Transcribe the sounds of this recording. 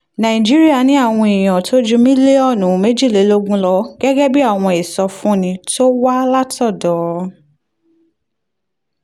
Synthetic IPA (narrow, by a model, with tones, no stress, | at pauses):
nã˨i˨d͡ʒi˦ɾi˦a˦˨nĩ˨˦a˦˨w̃ɔ̃˧i˨j̃ã˨tʰo˦d͡ʒũ˦mĩ˦le˦ɔ˦˨nũ˨˦me˦d͡ʒi˦˨le˨˦lo˦ɡũ˦lɔ˧ɡ̥ɛ˦ɡɛ˦bi˦a˦˨w̃ɔ̃˧e˨sɔ˧fũ˦nĩ˧to˦wa˦la˦tɔ˦˨dɔ˨˦